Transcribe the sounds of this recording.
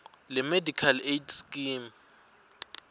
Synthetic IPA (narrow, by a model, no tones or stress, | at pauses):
lɛmedʱikʰaletʰskʼim